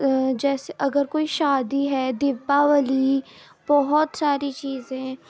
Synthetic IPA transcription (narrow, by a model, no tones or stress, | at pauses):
d͡ʒɛːseəɡəɾkoːiːʃaːd̪iːɦɛːd̪ɪpːaːʋəliː | bɔɦɔt̪saːɾiːt͡ʃiːzẽː